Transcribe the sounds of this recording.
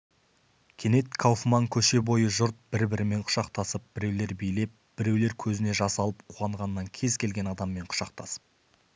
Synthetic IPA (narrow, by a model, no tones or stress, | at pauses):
kʲʰe̞ne̞t̪kʰawfmɑŋkʲʰɵʃe̞bo̞jəʒʊɾt̪̚b̥ɪɾbɪɾɪme̞ɴqʰʊ̥ʃɑqt̪ɑsəp̚b̥ɪɾe̞wle̞ɾbijle̞p̚b̥ɪɾe̞wle̞ɾkʲʰɵzɪne̞ʒɑsɑlˠəp̚qʰuʁɑɴʁɑnːɑŋkʲʰe̞zkʲe̞lɡʲe̞nɑd̪ɑmːe̞ɴqʰʊ̥ʃɑq̚t̪ʰɑsə̥p̚